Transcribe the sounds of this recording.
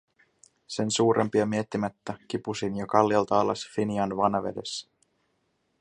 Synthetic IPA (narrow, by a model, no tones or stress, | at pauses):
se̞nsuːɾʔempiɑmie̞t̪ːimæt̪ːæk̟ipusinjokɑlːiɑlt̪ɑːlɑsfiniɑnʋɑnɑʋe̞de̞sːæ̥